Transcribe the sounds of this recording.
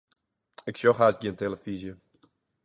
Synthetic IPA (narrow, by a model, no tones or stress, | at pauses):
ɪksjɔxhasɡiənteləfizjə